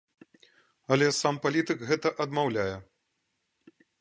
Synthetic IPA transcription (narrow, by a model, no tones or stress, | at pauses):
ɐlʲɛsampalʲit̪ɨkɣɛt̪ɐʔɐd̪mawlʲajɛ